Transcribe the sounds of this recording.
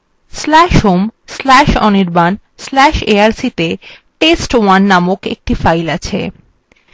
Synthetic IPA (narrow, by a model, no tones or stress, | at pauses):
slɛʃɦomslɛʃɔniɾban | slɛʃeaɾsit̪e | ʈesʈwanːamokḛk̚ʈifajlat͡ɕʰḛ